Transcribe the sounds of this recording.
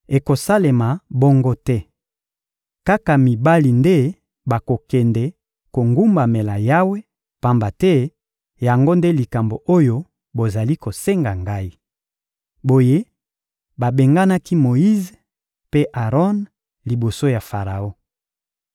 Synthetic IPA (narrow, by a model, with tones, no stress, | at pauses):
e˨ko˨sa˦le˨ma˨bo˦ŋɡo˦tɛ˦ | ka˦ka˨mi˨ba˦li˨nde˦ | ba˨ko˨kɛ˨ndɛ˨ | ko˨ŋɡu˦mba˨me˨la˨ja˦we˦ | pa˦mba˨tɛ˦ | ja˨ŋɡo˦nde˦li˨ka˨mbo˨ʔo˦jo˦ | bo˨za˨li˦ko˨se˦ŋɡa˨ŋɡa˦i˦ | bo˨je˦ | ba˨be˨ŋɡa˦na˦ki˦mo˨i˦z | pe˦ʔa˨ʁɔ˦n | li˨bo˨so˦ja˨fa˨ʁa˨o˦